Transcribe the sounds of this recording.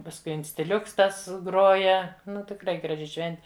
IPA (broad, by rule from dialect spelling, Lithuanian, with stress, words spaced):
pɐsˈkʊɪ ɪnʲsʲtʲɪˈlʲʊks ˈtɐs ˈɡroːjɛ ˈnʊ tʲɪkˈrɐɪ ɡrɐˈʒʲɪ ˈʃʲʋʲɛnʲtʲɪ